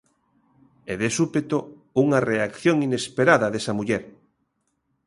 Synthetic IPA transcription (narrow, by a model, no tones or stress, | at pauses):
eðesupet̪o | uŋɐreakθjoŋinespeɾaðɐðesɐmuʎɛɾ